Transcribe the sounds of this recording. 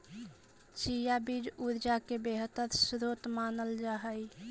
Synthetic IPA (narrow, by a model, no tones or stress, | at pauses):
t͡ʃijabid͡ʒuɾd͡ʒakebeɦət̪əɾsɾot̪manəld͡ʒaɦəj